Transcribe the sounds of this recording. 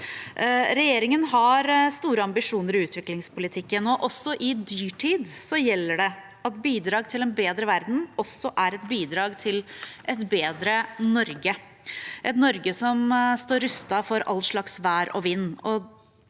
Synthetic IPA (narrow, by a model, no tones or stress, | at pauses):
ɾɛjeːɾɪŋənɦɑɾst̪uːɾəɑmbɪʂuːnəɾɪʉːt̪ʰʋɪklɪŋspʰʊlɪt̪ʰɪkːənɔʔɔsːɔʔɪd̪yːʈʰiːd̪sɔjɛlːəɖɛ | ɑt̪̚biːd̪ɾɑːɡt̪ʰɪlɛnbeːd̪ɾəʋæɾd̪n̩ɔsːɔʔæɾɛt̪biːd̪ɾɑːɡt̪ʰɪlʔɛt̪beːd̪ɾənɔɾɡə | ʔɛt̪nɔɾɡəsɔmst̪oːɾʉst̪ɑfɔɾɑ̰lːʂɭɑksʋæːɾɔ̰ʋɪnːɔ